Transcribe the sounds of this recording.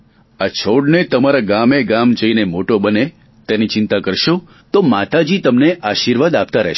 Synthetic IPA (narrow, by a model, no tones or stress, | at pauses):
at͡ʃʰoɽnet̪əmaɾaɡameɡamd͡ʒəinemoʈobəne | t̪enit͡ʃɪnt̪akəɾʃo | t̪omat̪ad͡ʒit̪əmneʔaʃiɾʋad̪ap̚t̪aɾə̰ɦ